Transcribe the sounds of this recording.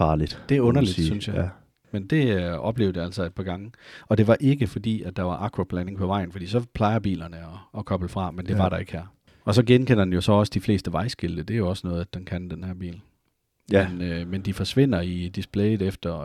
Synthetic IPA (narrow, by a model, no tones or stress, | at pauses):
fɑːlid̥d̥e̝æɔ̽nɐlid̥synsjɑ̈ | mend̥e̝ɒ̽b̥le̝ʊd̩ˠjæl̰sɒe̝d̥pʰɑ̈ɡ̥ɑ̈ŋəɒ̽d̥e̝ʋɑ̈ʔe̝ɡ̥əfɒ̽d̥ḭːæd̥ɑ̈ʋɑ̈ʔɑ̈kʰʁob̥læne̝ŋpʰɒ̽ʋɑ̈ɪ̰n̩fɒ̽d̥ḭːsɒ̽pʰlɑ̈ɪɐb̥ḭːlɐnəɒ̽ːkʰɒ̽b̥l̩fʁɑ̈mend̥e̝ʋɑ̈ɾɑ̈e̝ɡ̥hæɐ̰ | ɒ̽sɒ̽ɡ̥enkʰen̰ɐd̥enjo̝sɒ̽ɒ̽sə̥d̥ifle̝̰ːsd̥əʋɑ̈ɪsɡ̥e̝ld̥əd̥e̝æjo̝ɒ̽sənɔ̽ːð̞̩ˠæd̥enkʰænd̥enhæɐ̰b̥ḭːl | menømend̥ifɒ̽sʋe̝n̰ɐid̥isb̥lɛɪðˠefd̥ɐ